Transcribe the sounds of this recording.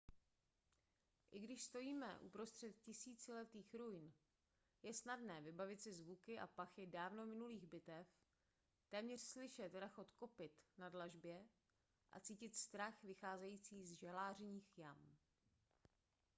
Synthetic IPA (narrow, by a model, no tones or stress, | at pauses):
ʔɪɡdɪʃst̪o̞jiːmɛ̰ʔṵpɾo̞st̪r̥ɛt̪cɪsiːt͡sɪlɛt̪iːxɾujn | jɛsnadnɛːvɪbavɪt̪sɪzvukɪʔa̰paxɪdaːvno̞mɪnuliːɣbɪt̪ɛf | t̪ɛːmɲɛr̥slɪʃɛt̪ɾaxo̞t̪ko̞pɪt̪nadlaʒbjɛ | ʔa̰t͡siːcɪt̪st̪ɾaxvɪxaːzɛjiːt͡siːzʒalaːr̝ɲiːxjam